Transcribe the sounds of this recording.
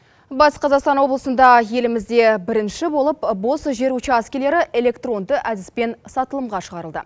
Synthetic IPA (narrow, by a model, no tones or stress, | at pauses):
bɑsqʰɑzɑqst̪ɑnwo̞blˠəsənd̪ɑje̞lɪmɪzd̪e̞bɪɾɪnʃɪbo̞lˠəpbo̞sʒe̞ɾut͡ʃɪɑskʲele̞ɾɪʔe̞le̞kt̪ro̞nd̪əʔæd̪ɪspe̞nsɑt̪əlˠəmʁɑʃəʁɑɾəlˠd̪ə̰